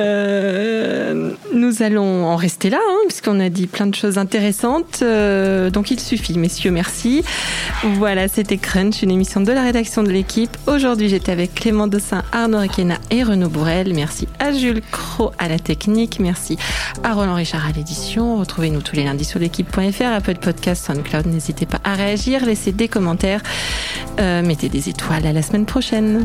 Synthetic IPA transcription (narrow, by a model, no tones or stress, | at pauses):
ø | nuzalɔ̃ɑ̃ʁɛst̪elaɛ̃pɥiskɔ̃nad̪iplɛ̃d̪əʃozɛ̃t̪eʁesɑ̃t̪ød̪ɔ̃kilsyfimesjømɛʁsi | vwalaset̪ɛkχɛnsynemisjɔ̃d̪əlaʁed̪aksjɔ̃d̪əlekʲʰipoʒuʁd̪ɥiʒet̪ɛavɛkːlemɑ̃d̪əsɛ̃ʔaʁnoʁikʲena̰eʁənobuʁɛlmɛʁsḭaʒylkχoalat̪ɛknikmɛʁsiaʁɔlɑ̃ʁiʃaʁaled̪isjɔ̃ʁət̪χuvenut̪ʰulelɛ̃d̪isyʁlekʲipːwɛ̃ɛfɛʁapœld̪pɔd̪kʲast̪sãw̃nd̪klawd̪nezit̪epa̰ʔaʁeaʒiʁlesed̪ekɔmɑ̃t̪ɛʁ | ømet̪ed̪ezet̪walalasəmɛnpχɔʃɛn